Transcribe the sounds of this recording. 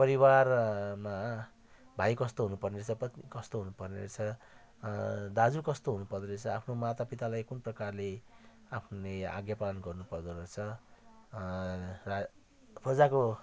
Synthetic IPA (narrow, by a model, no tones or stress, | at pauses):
pʌɾiwarma | bʱajkʌst̪oɦunupʌrnet͡sʰʌpʌt̪ikʌst̪oɦunupʌrneɾt͡sʰʌ | d̪ad͡zukʌst̪oɦunupʌrd̪oɾet͡sʰʌapʰnomat̪apit̪alajkunprʌkarle | apʰnea̰ɡjapalʌnɡʌrnupʌrd̪oɾet͡sʰʌ | ra | pʰʌd͡zako